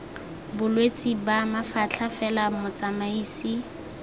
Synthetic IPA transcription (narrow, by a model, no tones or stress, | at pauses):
bʊlwet͡sʼibamafat͡ɬʰafɛlamʊt͡sʼamaiːsi